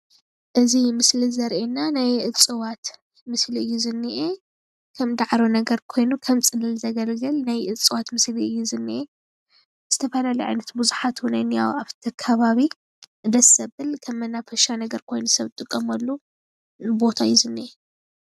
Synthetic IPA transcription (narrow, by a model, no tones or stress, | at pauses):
ʔɨzimɨslizɐɾʔenanajʔɨt͡sʼɨwat̪ | mɨsliɨjːuzɨnːɨʔe | kʰɐmd̪aʕɾonɐɡɐɾkʰo̞jnukʰɐmsʼɨnɨlzɐɡɐlɡɨlnajʔɨt͡sʼɨwat̪mɨsliɨjːuzɨnːɨʔe | z̥ɨt̪ʰɐfɐlaliʕa̰jnɐt̪buzuħat̪ʰunajnija̰waβt̪ʰɐkʰɐβaβi | ɨd̪ɐsɐβɨlkʰɐmːɐnːafɐʃanɐɡɐɾkʰo̞jnusɐβɨt̪ʼɨkʼːɐmɐlːu | ɨbo̞t̪ʰaɨjːuzɨnːɨʔe